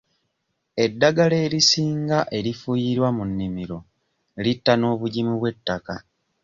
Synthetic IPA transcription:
e̞dːaɡale̞ːɾisiːŋɡaʔe̞ɾifujiɾwamunːimiɾo̞ | litːano̞ːβuɟimuβwe̞tːaka

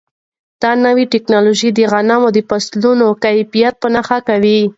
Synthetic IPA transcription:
d̪̥ɑnawiʈɪknɑloʒid̪əɣanamod̪əpaslunokajfijat̪̚pənaxakawi

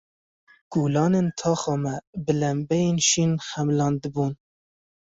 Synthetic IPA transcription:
ɡ̥uːlɑːneːnt̪ʰɑːxɑːmɛbɨlæmbɛjeːnʃiːnxæmlɑːnd̪ɨbuːn

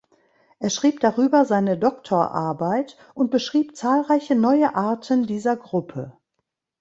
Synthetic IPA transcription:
ʔeːɐʃʁ̥iːp̚d̥aʁyːbɐzaɪnədɔktʰoːɐʔa̰ɐbaɪt | ʔʊnt̚b̥əʃʁ̥iːpt͡saːlʁaɪçənɔʏəʔaɐtʰəndiːzɐɡʁʊpʰə

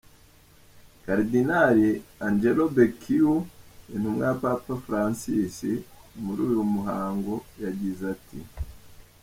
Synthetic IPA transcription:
kaɾdinaɾiand͡ʒelobekʰiuin̥humŋejapapafɾansisimuɾuːjumuɦaːŋɡo̞jaɟizatʰḭ

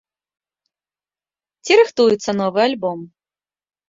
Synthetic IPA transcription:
t͡sʲiɾɨxt̪ujut̪sːɐnɔvɨjalʲbɔm

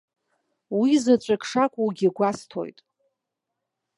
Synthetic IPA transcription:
wizat͡ʃʷʼakʰʂakʷʼuwɡʲiɡʷastʰo̞̰jtʼ

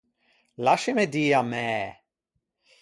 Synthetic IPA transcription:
laʃɪmɛdiːamɛː

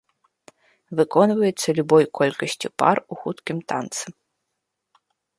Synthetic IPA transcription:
vɨkɔnvɐjɛt̪sːɐlʲubɔjkʰɔlʲkɐsʲt͡sʲipa̰ruxut̪kʲimt̪a̰nt̪sɨ

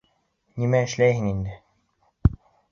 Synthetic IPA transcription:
nimæɘ̆ʃlæjɦɘŋind̪ɘ

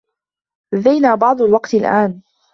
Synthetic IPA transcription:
aðajnaːbɑʕd̪ˤʊlwɑqt̪ɪlʔaːn

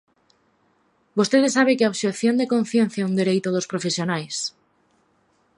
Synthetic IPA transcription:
bost̪eðesaβ̞ekeoβʃekθjond̪ekõnθjenθjaund̪eɾejt̪oð̞ospɾofesjonajs

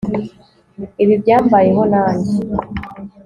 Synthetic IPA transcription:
iβibɟaːmbaje̞ɦo̞naːɲɟi

